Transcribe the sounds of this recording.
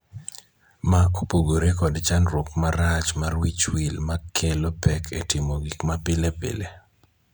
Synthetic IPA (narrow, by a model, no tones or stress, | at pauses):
makopoɡoɾekɔdt͡ʃanɾokmaɾat͡ʃmarwit͡ʃwilmakʰelopɛkʰetɪmoɡikmapɪlepḛle